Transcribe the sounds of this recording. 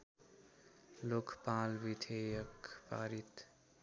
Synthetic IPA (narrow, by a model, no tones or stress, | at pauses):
lokpalbid̪ʰʱejʌkpa̰ɾit̪